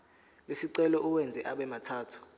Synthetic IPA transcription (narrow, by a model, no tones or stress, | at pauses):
lesiǀɛlɔʔuwɛnd͡zʱɛʔaɓɛmatʰaːtʰu̥